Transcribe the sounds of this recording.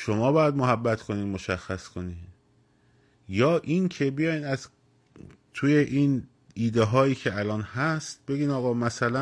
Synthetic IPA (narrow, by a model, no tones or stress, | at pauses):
ʃo̞mɒːbɒːjæd̪moɦæbːæt̪ʰkʰo̞niːd̪moʃæxːæskʰo̞niːd̪ | jɒːʔincʰe̞bijɒjnæz | t̪ʰujeʔiːn | iːd̪eɦɒːjiːcʰeælɒːnhæst̪̚be̞ɡiːnɒːɣɒːmæsælæ